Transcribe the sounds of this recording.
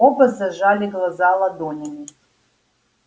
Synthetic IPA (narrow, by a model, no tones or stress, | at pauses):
obazaʒalʲiɡlˠazalˠad̪onʲami